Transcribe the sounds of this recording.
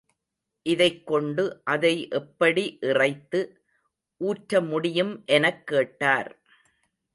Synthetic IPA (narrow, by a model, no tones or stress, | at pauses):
ʔɪðɐɪkːɔɳɖɯʔɐðɐɪʔɛpːɐɽiʔɪrɐɪt̪ːɯ | ʔuːʈɾɐmʊɽɪjɯmʔɛnɐkːeːʈːaːɾ